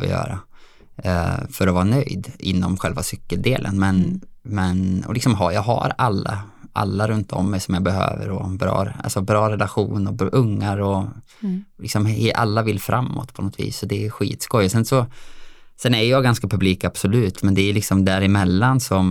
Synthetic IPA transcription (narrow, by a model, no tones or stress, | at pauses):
ɔ̰jœ̰ːɾa | fœɾɔvɑːnœjd̪ʔɪ̰nːɔmɧɛlvasʏkːəld̪eːlʔə̰nmɛnmɛnɔ̰lɪksɔmɦajɑːɡɦa̰ɾalːa̰ | ʔa̰lːaɾɵnt̪ʰɔ̰mːɛjsɔmjɑbɛɦø̰ːvə̰ɾɔ̰bɾɑ̰ːɾa̰lsɔbɾɑːɾɛlaɧuːnɔʔɵŋːaɾɔ | lɪksɔmʔa̰lːavɪlːfɾʔamːɔ̰t̪pʰɔnɔt̪ʰvḭːsɔd̪ɛːjɧḭːt̪skɔjːɔsɛnsɔ | sɛnæjjɑːɡanskapʰɵbliːkab̥sɔlʉ̟ːt̪mɛnd̪ɛæjlɪksɔmd̪æɾɪmɛlːansɔm